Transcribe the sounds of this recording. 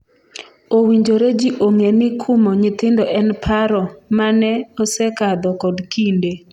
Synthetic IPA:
owiɲd͡ʒoɾed͡ʒiʔoŋenɪkʰumoɲɪt̪ɪndɔʔɛnpʰaɾɔmanɛɔsɛkad̪ɔkɔdkinde

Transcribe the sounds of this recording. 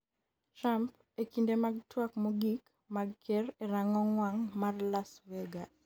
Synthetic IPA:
tɾamp | ekindemaɡ̚twakmɔɡik | maɡ̚kereɾaŋɔŋwaŋmarlasveɡa

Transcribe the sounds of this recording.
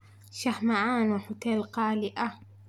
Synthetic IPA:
ʃaħmaʕaːnwħʊt̪eːlqaːlɪʔa

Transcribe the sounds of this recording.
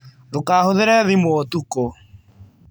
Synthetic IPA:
ɾokahoðeɾɛðimootuko

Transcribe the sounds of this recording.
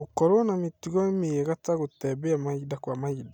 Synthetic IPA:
ukoɾonamitiɣɔemieɣataɣotɛbeamaidakwamaida

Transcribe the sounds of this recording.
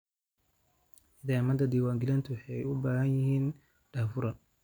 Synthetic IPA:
ɪd̪aːmɐd̪ɐd̪iːwaːŋɡɪlɐnt̪ʰʊwħɛjʊbaːhɐnjɪɦiːn | ɖaːfʊɾɐ

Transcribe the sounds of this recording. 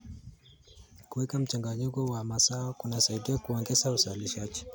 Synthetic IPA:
kuwɛkam̩t͡ʃaŋɡaɲikɔwamasaɔkunasaiɗiakuɔŋɡɛsauzaliʃaʄi

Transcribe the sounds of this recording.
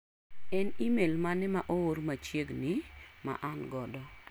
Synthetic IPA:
ɛnimelmanɛmaʔooɾmat͡ʃjeɡnɪma̰ʔanɡɔdɔ

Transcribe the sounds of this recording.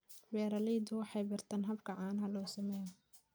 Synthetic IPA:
bɛːɾɐlɛjd̪ʊwɑħɑjbɪrt̪ʰaːnɦɐbkʰɐʕaːnɦɐlɔːsɐmɛj

